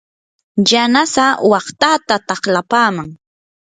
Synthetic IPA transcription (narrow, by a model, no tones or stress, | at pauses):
janasawɑχt̪at̪at̪ɑχlapaːmaŋ